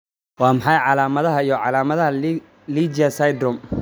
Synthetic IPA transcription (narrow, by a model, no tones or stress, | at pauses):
wɑːmɑħɑjʕɑlaːmɐðɐɦɐijɔʕɑlaːmɐðɐɦɐ | liːd͡ʒɐsɐjd̪rɔm